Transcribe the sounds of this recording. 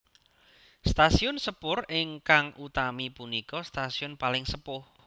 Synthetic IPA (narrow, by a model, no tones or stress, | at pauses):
st̪asiʊnsəpʊrɪŋkaŋʔut̪amipunikɔst̪asiʊnpalɪŋsəpʊh